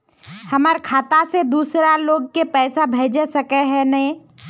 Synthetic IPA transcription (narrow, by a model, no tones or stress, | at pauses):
hɐməɾkʰaːt̪ased̪uːsɾaloːɡ̚kepɛːsabʱeːd͡ʒsəkeɦɛ̃nɐĩ